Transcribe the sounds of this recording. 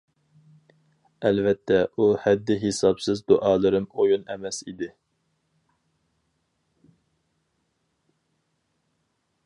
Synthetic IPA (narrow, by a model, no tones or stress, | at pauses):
ɛlvɛt̪ʰːɛʔuhɛd̪ːɪɦesɑpsɨzd̪uʔɑːlˠɨɾɨmojunɛmɛsḭd̪ɪ